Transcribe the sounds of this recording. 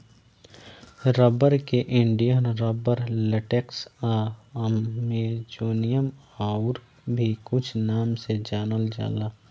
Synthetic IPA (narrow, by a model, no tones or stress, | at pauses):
ɾɔːbəɾkeʔɪ̃ɳɖijənɾɔːbəɾləʈeksaəmːẽd͡ʒuːnijəm | aːʊɾ | bʱikʊt͡ʃʰnaːmsed͡ʒaːnəld͡ʒa̰ːlaː